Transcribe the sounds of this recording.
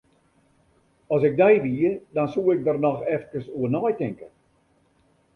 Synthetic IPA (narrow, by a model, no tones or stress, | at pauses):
ɔsɪk̚dɛjʋiədɔnsuːɪk̚dərnɔxɛft̚kəsuənɔjtɪŋkə